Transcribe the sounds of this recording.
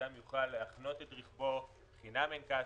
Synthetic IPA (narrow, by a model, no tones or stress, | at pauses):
amjuχalːeaχno̞t̪etʁiχbo̞ʁ | χinamenka